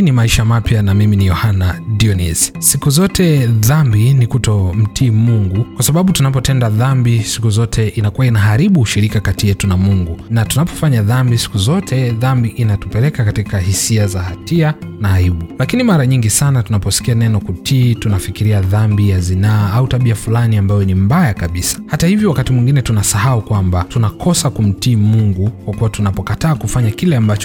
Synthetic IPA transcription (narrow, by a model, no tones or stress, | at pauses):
nimaiʃamapjanamiminijɔhanadiɔnizsikuzɔtʰɛðambinikutɔm̩tʰiːmuŋɡukwasaɓaɓutunapɔtɛndaðambisi̥kuzɔtʰɛʔinakuwainaɦaɾiɓuːʃiɾikakatijɛtunamuŋɡunatunapɔ̥faɲaðambisi̥kuzɔtʰɛðambiʔinatupɛlɛkakatikahisiazahatianaːiɓulakinimaɾaɲiŋɡisanatunapɔsi̥kianɛnɔkutʰiːtunafikiɾiaðambijazinaːautaɓiafulaniambajɔnimbajakaɓisḁhatahivjɔwakatimwiŋɡinɛtunasahaukwambatunakʰɔsakum̩tiːmuŋɡukwakuwatunapɔkataːkufaɲakilɛambat͡ʃɔ